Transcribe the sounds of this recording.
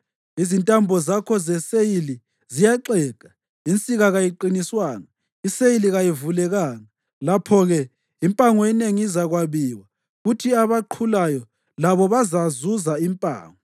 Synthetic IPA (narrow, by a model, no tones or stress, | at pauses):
izintʼambʱɔzakʰɔzɛsejili | zijaǁɛːkʼa | int͡sʼiɣaɣajiǃiniswaːŋa | isejiliɣajivulɛɣaːŋa | lapʰɔɣɛ | impʼaŋɔɛneŋiizaɣwaβiːwa | ɣutʰiaβaǃʰulajɔ | laβɔβazazuzaimpʼa̰ːŋɔ